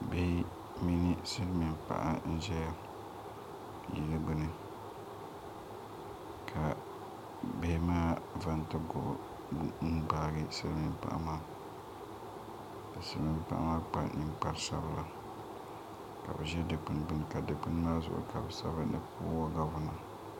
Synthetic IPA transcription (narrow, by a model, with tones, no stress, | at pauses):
be˦ | mi˦ni˦sɨ˦lmi˨mpa̰˨ʔa̰˦n̩˦ʒɛ˦ja˦ | ji˨˦lɨ˦ɡ͡bɨ˦nɨ˨ | kʰa˨ | be˦maː˦va˦n˦tɨ˦ɡʊ˨ʔ | n̩˦ɡ͡ba˨ɡɨ˦sɨ˦lmi˨mpa̰˦ʔa̰˦maː˦ | ka˨sɨ˦lmi˨mpa̰˦ʔa̰˦maː˦k͡pa̰˨nɨ˦mk͡pa˨ɾsa˦ba˦la˨ | ka̰˨bɨ˨ʒɛ˦dɨ˨k͡pɨ˨nɡ͡bɨ˦nɨ˨ka˨dɨ˨k͡pɨ˦n˦maː˦zʊ̰˨ʔʊ̰˨˦ka˨bɨ˨sa̰˦ba˦nɨ̰˨pʰṵ˦wɔ˦ɡa˨vʊ˨na˨